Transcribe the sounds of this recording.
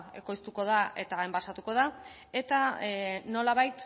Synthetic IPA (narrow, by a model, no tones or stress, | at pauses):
e̞̰ko̞jst̪uko̞ð̞aʔe̞̰t̪aembasat̪uko̞ð̞a | e̞t̪ano̞laβajt̪